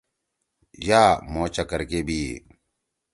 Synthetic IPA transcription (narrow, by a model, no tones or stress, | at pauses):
jaːmõːt͡ɕɐkəɾkebʱiː